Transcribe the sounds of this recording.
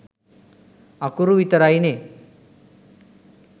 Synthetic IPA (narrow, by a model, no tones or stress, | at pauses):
akuɾuʋit̪əɾajne